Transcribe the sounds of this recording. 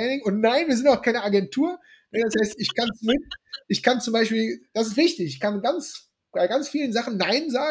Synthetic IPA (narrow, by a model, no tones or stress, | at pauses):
ɛnɪŋʊntnaɪnviːɐzɪntaʊxkʰaɪnəaɡɛntʰuːɐ | nəd̥ashaɪstɪçkʰansnɪtʔɪçkant͡sʊmbaɪʃpiːld̥asɪstv̥ɪçtɪçɪçkanɡant͡s | b̥aɪɡant͡sfiːlənzaχn̩ːaɪnzaː